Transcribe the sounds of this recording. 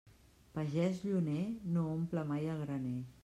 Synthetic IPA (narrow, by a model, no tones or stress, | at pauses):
pəʒɛzʎunenoompləmajəlɣɾəne